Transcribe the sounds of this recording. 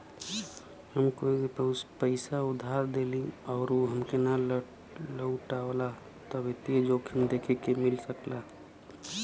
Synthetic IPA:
həmkoipəɦuspəɪsaʊd̪ʱːaɾd̪elĩɔːɾoɦəmkenal | ləʊʈaola | t̪ɔbet̪ied͡ʒokʰimd̪ekʰekemɪlsəkla

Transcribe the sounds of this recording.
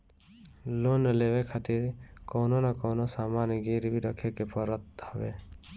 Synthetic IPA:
lonəlebekʰat̪iɾkɔwnonakɔwnosamaniɡiɾbiɾɔkʰekepʰɔɾɔt̪̚hɔbḛ

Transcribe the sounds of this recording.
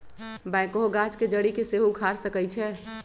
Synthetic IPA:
bajkoɦoɡat͡ʃked͡ʒəɽikeseɦukʰaɾsəkɛjt͡ʃʰɛ

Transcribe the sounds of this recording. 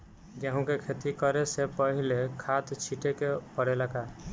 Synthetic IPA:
ɡjaɦũkekʰet̪ikəɾesepəɦilekʰat̪t͡ʃʰiʈekepəɽelaka

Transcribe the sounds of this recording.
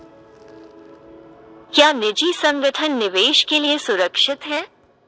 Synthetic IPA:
kjaːnɪd͡ʒisɐ̃ŋɡəʈʰənːɪʋeːʃkeliesʊɾəkʃɪt̪ɦɛː

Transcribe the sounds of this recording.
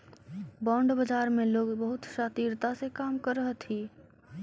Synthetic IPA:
bɔ̃ːɳɖbəd͡ʒaːɾmẽloːɡbəɦut̪ʃat̪iːɾt̪asekaːmkəɾəɦət̪ʰi

